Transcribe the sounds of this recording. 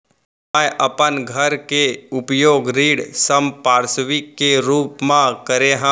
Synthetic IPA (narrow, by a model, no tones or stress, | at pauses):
ajʔɐpənɡʱɐɾkeʊpjoːɡɾiːɽsəmpaːɾsʋɪkːeɾuːpmãkəɾeɦã